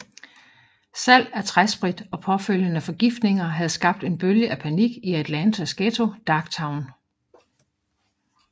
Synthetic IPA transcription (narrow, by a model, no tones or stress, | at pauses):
sæl̰æɐt͡sʰʁasb̥ʁid̥ɒ̽pʰɒ̽føl̰jənæfɒ̽ɡ̥ifd̥ne̝ŋɐɦæð̞̩ˠsɡ̥ɑ̈b̥̚d̥e̝nb̥øljəʔæpʰæniɡ̥iæd̥lænt͡sʰæsɡ̥et͡sʰo̝d̥ɑ̈ɡ̥t͡sʰɑ̈ʊn